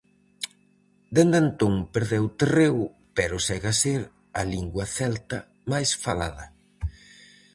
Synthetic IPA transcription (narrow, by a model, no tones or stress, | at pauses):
d̪end̪ent̪oŋpeɾðewt̪erew | pɛɾʊsɛɣaseɾ | ɐliŋɡwɐθɛlt̪ɐ | majsfala̰ðɐ